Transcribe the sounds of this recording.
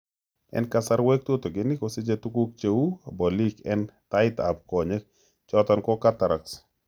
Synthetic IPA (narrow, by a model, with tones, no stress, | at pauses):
ɛ̰nkasa˦ɾwe˦k̚t̪o˦t̪o˨ɡɪ˨nɪ˦kosɪ˦d͡ʒe˦t̪u˦ku˦k̚t͡ʃe˦u˦bɔ˨li˦kɛ˦nt̪a˦ɪt̪a̰˨b̚kɔ˨ɲe˦k̚ | t͡ʃɔt̪ɔ˦nkɔ˦kat̪a˨ɾa˨ks